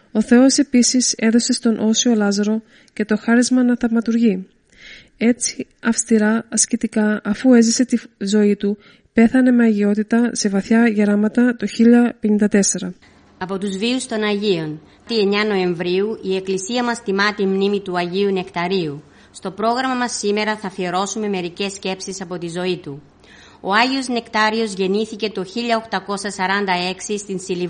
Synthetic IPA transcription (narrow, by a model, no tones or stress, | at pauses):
o̞θe̞o̞se̞pisise̞ðo̞se̞st̪o̞nʔo̞sio̞lɐzɐɾo̞ | ce̞t̪o̞xɐɾizmɐnɐθɐvmɐt̪uɾʝi | e̞t͡si̥ | ɐfst̪iɾɐɐscit̪ikɐɐfue̞zise̞t̪izo̞it̪u | pe̞θɐne̞meɐʝio̞t̪it̪ɐse̞vɐθçɐʝɐɾɐmɐt̪ɐt̪o̞çiʎɐpe̞nind̪ɐt̪e̞se̞ɾɐ | ɐpo̞t̪uzviust̪o̞nɐʝio̞n | t̪ie̞ɲɐno̞e̞ɱvɾiuie̞klisiɐmɐst̪imɐt̪immnimit̪uɐʝiune̞kt̪ɐɾiu | st̪o̞pɾo̞ɣɾɐmɐmɐsːime̞ɾɐθɐfieɾo̞sume̞me̞ɾice̞sce̞psisɐpo̞t̪izo̞it̪u | o̞ɐʝio̞zne̞kt̪ɐɾio̞zʝe̞niθice̞t̪o̞çiʎɐo̞xt̪ɐko̞sɐsɐɾɐnd̪ɐe̞ksist̪insili